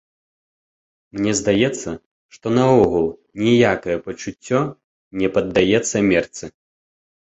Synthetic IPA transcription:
mnʲɛzd̪ajɛt̪sːɐ | ʂt̪ɔnɐɔɣulˠ | nʲɛjakɐjɛpɐt͡ʂut͡sʲːɔ | nʲɛpɐd̪ːajɛt̪sːɐmʲɛrt̪sɨ

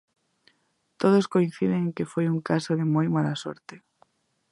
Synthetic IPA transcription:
t̪oðoskoĩn̟θiðeŋkefojuŋkasoðɪmojmalaso̰ɾt̪e

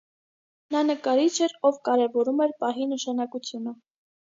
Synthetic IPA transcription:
nɑnəkɑɾit͡ʃʰɛɾɔvkɑɾɛvɔɾumɛɾpɑɦinəʃɑnɑkut͡sʰjunə

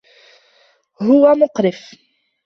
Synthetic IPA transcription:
ɦʊwæmʊqɾɪf

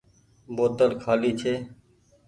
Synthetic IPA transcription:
boːt̪əlkʰaːliːt͡ʃʰeː

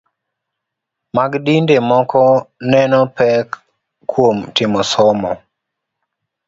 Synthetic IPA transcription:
maɡdindemɔkɔnɛnɔpɛkː | womtɪmɔsɔmɔ

